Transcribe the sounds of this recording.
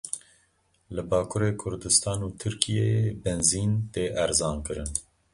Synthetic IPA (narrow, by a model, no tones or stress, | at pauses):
lɨbɑːkʰuɾeːkʰʊɾd̪ɨst̪ʰɑːnuːt̪ʰɨɾkijebɛnziːnt̪eːʔɛɾzɑːnkɨɾɨn